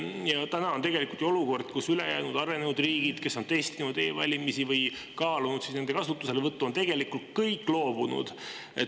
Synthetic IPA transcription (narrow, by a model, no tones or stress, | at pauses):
jɑt̪ænɑot̪e̞ɡe̞likult̪jo̞luko̞rd̪̥̚kusylejæ̰ːnud̪ɑɾe̞nenud̪riːɡ̥id̪̥ke̞sːo̞nt̪e̞st̪inud̪e̞ːvɑ̰lʲimisivɤj | kɑːlunud̪sisne̞nd̪e̞kɑsut̪ːˑuse̞levɤt̪ːuont̪e̞ɡ̥e̞likːˑult̪̚kɤjkːˑlo̞ːb̥unṵd̪̥ | e